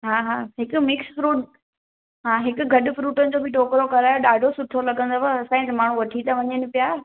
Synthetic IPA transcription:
ɦaːɦaːɦɪkʊ̆mɪksfɾuːʈ | ɦãːɦɪkʊ̆ɡʱɐɗʊ̆fɾuːʈənɪ̆d͡ʑoːbʱɪʈoːkɾokɐɾaːjoɗaːɖʱosʊʈʰolɐɠə̃nd̪oɐɐsãːĩt̪emaːɳ̤ũʋɐʈʰit̪aʋɐɲənɪpijaː

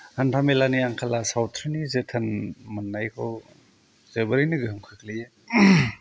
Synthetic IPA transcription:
hanɾʰamelaniaŋkʰalasawtʰɾinizetʰanmɐnːajkʰow | zebɐɾijniɡɯhɯŋkʰakʰlɯja

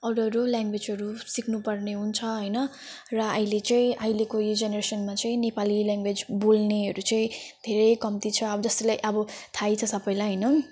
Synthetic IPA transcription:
ʌɽʌɾoljãŋɡwed͡zɦʌɾusikʰnupʌrneɦunt͡sʰʌɦʌjnʌ | rʌʌilet͡saĩʔʌilekood͡zenʌɾesʌnmat͡saĩnepaliljãŋɡwed͡zbolneɦʌɾut͡saĩd̪ʱeɾʌjkʌmt̪it͡sʰʌːbʌd͡zʌst̪ʌlajʔʌbʌt̪ʰajt͡sʰʌsʌbʌjlajɦʌjnʌ

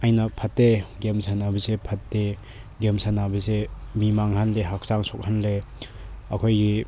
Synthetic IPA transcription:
ajnɐpʰatːeɡemsʰanabisepʰat̚ːe | ɡemsanabisemimaŋhanleɦak̚saŋsɔk̚hanle | ɐkʰojɡi

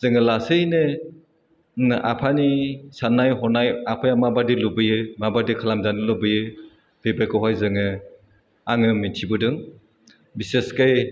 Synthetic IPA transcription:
zɯŋɯlasɯnɯ | nʔa̰pʰanisanːajɦɔnajapʰajamabadilubɯjɯmabadikʰalamzanɯlubɯjɯ | b̥ebɾekɯɦajzɯŋɯ | aŋɯmitʰibɯdɯŋ | biseskaj

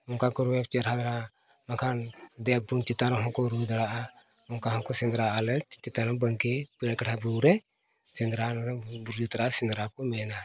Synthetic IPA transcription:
ɔŋkakɔɾuɛp̚t͡ʃɛɾad̪aɾa | makʰand̪ɛk̚bunt͡ʃit̪anɔɦɔ̃ŋkɔɾud̪aɽaʔa | ɔŋkaɦɔŋkɔsɛnd̪ɾaʔalɛt͡ʃit̪anɔbəŋkipiɽkaʈʰabuɾɛ | sɛnd̪ɾanɔɾbuɾut̪ɾasɛnd̪ɾakɔmɛna

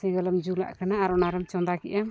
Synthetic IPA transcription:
sɛ̃ɡalamd͡ʒula̰ʔkanaːɾɔnaɾɛmt͡ʃɔnd̪akɛ̰ʔam

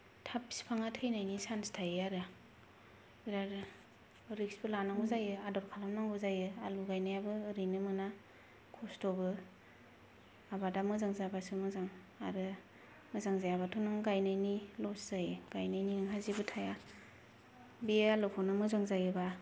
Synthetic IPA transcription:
tʰapi̥spʰaŋatʰɯjnajnisanstʰajɯaɾɯ | biɾaɾ | ɯɾik̚sbɯlanaŋɡuzajɯadɔɾkʰalamnaŋɡuzajɯaluɡajnajabɯːɾijnɯmɯna | kʰɔstɔbɯ | abadamɯzaŋzabasɯmɯzaŋ | a̰ɾɯ | mɯzaŋzajabatʰunɯŋɡajnajnilɔszajɯɡ̥ajnajniɯŋɦazibɯtʰaja | bialukʰɔnɯmɯzaŋzajɯba

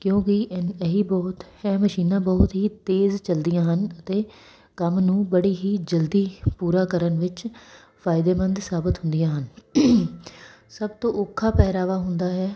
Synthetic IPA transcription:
kjõːkɪʔnəɦiːbɔːt̪hɛ̃ːməʃiːnãːbɔːt̪ɦiːt̪eːzt͡ʃəld̪ɪjãːɦənət̪eː | kəmnũːbəɽiːɦiːd͡ʒəld̪iːpuːɾaːkəɾənʋɪt͡ʃ | pʰaːɪd̪eːmənd̪saːbət̪ɦʊ̃nd̪ɪjãːɦən | səb̚t̪õːʔʊkʰːaːpɛːɾaːʋaːɦʊnd̪aːɦɛː

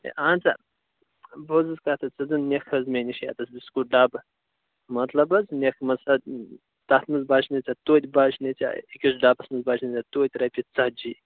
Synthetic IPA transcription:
ḛʔaːnt͡sɐ | bozɨzkaːt̪ʰɐt͡sɐzɨnnʲexhɐzmʲenʲiʃja̰ːt̪ɐsbiskuɖaːbɐ | mɐt̪lɐbɐznʲexmɐsɐd | t̪ɐht̪mɨzbaːt͡ʃnɐt͡sʲat̪oːt̪ʲbaːt͡ʃʰnɐt͡sʲa̰ikʲiʃ̬ɖaːpɐsmɨzbaːt͡ʃʰnit͡sʲat̪oːt̪ʲɾɐpʲit͡sɐhd͡ʒi

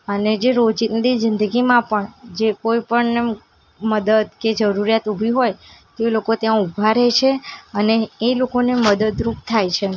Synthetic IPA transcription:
əned͡ʒeɾod͡ʒit̪nd̪izɪnd̪əɡimãpəɳd͡ʒekojpəɳne | məd̪əd̪ked͡ʒəɾuɾijat̪ubʱiɦojt̪elokot̪jãubʱaɾet͡ʃʰeəneːlokoneməd̪əd̪ɾup̚t̪ʰajt͡ʃʰe

